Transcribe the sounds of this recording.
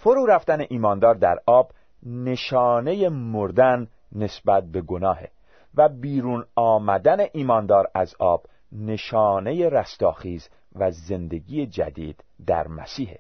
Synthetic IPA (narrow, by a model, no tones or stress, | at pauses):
foɾuːɾæft̪æneʔiːmɒːnd̪ɒːɾd̪æ̰ɾɒːb | ne̞ʃɒːne̞jemoɾd̪ænː | e̞sbæt̪̚be̞ɡonɒːhḛ | væbiːɾuːnɒːmæd̪æne̞ʔiːmɒːnd̪ɒːɾæzɒːb̥ | ne̞ʃɒːne̞jeɾæst̪ɒːxiːz | væze̞nd̪e̞ɡiːjed͡ʒæ̰d̪ḭːd̪̥ːæ̰ɾmæ̰siːhḛ